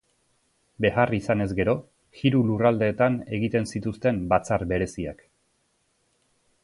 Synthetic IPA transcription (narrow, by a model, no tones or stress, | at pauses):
be̞ɣarisane̞zɡe̞ɾo̞ | xiɾulurald̪e̞ːt̪ane̞ɣ̞it̪e̞nsit̪ust̪e̞mbat͡saɾbe̞ɾe̞sia̰k